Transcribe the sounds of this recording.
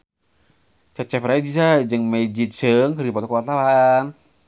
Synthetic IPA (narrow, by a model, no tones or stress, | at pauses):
t͡ʃat͡ʃɛfɾaid͡ʒisad͡ʒɨŋmeid͡ʒit̪̚səŋkəɾipɔt̪ɔkəwat̪awan